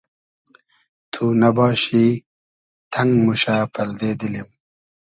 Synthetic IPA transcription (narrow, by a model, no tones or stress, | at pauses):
t̪ʰunɐbɑːɕi | t̪ʰɐŋɡmuɕapʰɐld̪eːd̪ilim